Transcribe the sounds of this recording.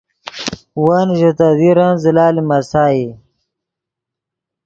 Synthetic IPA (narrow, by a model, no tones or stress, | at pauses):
wanʑot̪aðiɾanzilaːlimɐsaːi